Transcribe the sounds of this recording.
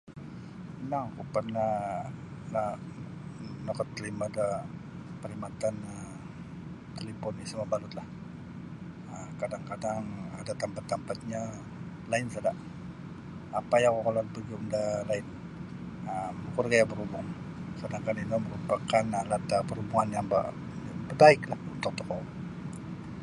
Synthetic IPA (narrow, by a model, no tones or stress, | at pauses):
naŋkupərnah | la | nɔkɔt̪ːəlimada | pəɾimat̪anəm | t̪əlimpɔnisəmabalʊt̪lah | əkadaŋkadaŋa̰dat̪ampat̪ːampat̪̚ɲa | laɪnsadaʔ | apajaŋkɔkolanpərɡiundalaɪn | əməkurɡajabəɾubʊŋ | sadaŋkaninɔməɾupakanalat̪apəɾubuŋanjaŋba̰ | bəbaɪklahunt̪ʊk̚t̪ɔkɔ